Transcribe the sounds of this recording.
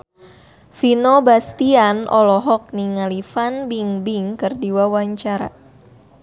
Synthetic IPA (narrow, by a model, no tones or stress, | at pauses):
finobast̪ianʔɔlɔɦɔk̚niŋalifanbiŋbiŋkɨrdiwawaɲt͡ʃaɾa̰